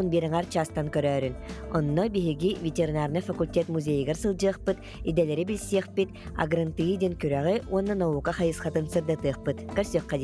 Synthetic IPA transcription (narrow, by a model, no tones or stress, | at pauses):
unbiːɾɛŋɛɾt͡ɕaːst̪aŋkœɾœːɾynɔnːɔbiɦiɡivʲet̪ʲeɾinaɾnɯfɐkulʲtʲɛt̪muzʲɛjɡɛɾsɯlˠd͡ʑɯːɐχpɯt̪ | id̪ɛlɛɾibilʲsiɛχpit̪ | a̰ɡɾɯnt̪ɯd̪ʲinkyɾæʁiuɔnːanauːkaχajɯsχat̪ɯnsɯɾd̪at̪ɯɐχpɯt̪kɛɾsyœχːɛd̪